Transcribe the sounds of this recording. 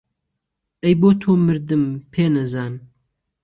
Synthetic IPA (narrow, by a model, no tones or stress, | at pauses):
ɐjboːt̪ʰoːmɨɾd̪ɨmpʰeːnɐzaːn